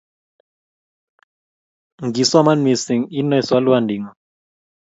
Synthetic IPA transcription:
ŋɡi˨swa˦ma˦nwi˨si˨ŋi˦nɔ˦jswa˦lwa˦˨ndi˨ŋɔ˨

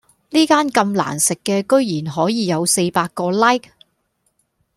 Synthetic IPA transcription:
liː˥kaː˥nkɐ˧mla̰ː˨˩nsɪ˨kːɛː˧kɵ˥ɥjiː˨˩nɦɔː˨˥jiː˨jɐ˨˧wse˧jpaː˧kkːɔː˧lɐ˥jk̚

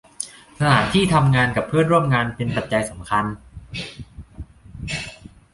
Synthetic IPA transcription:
t̪ʰa˧na̰ː˩˦nt̪ʰiː˥˩t̪ʰa˧mŋaː˧nka˨˩pʰːɯ˥˩ənɾu˥˩əmŋaː˧npe˧npa˨˩t̪̚t͡ɕa˧jsa˩˦mkʰa˧n

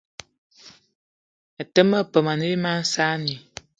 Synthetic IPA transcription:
a˨tə˦mə˦˨pə˨ma˨nə˦i˦ma˦n̩˦sa˦ni˨

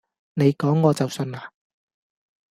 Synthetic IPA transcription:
ne˨˧jkɔː˨˥ŋːɔː˨˧t͡sɐ˨wsɵ˧naː˨˧

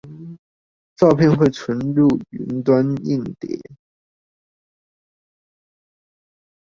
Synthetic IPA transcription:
t͡sɑ˥˧ʊpʰjɛ˥˧nxwe˥˩ɪʈ͡ʂʰwə˧˥nɻu˥˩y̰˧˥nt̪wa˥nḭ˥˩ŋt̪jɛ̰˨˩˦

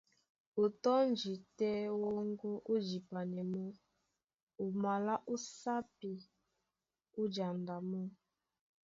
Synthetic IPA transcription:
u˨tɔ˦n˦d͡ʒi˨tɛ˦wo˦ŋ˦ɡo˦ʔu˦d͡ʒi˨pa˨nɛ˨mo˦ | u˨ma˨la˦ʔu˦sa˦pi˨ | u˦d͡ʒa˨nda˨mu˦

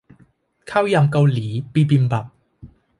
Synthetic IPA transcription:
kʰaː˥wjɐ˨mkɐ˧wliː˨˦piː˧pi˧npɐ˨˩p̚

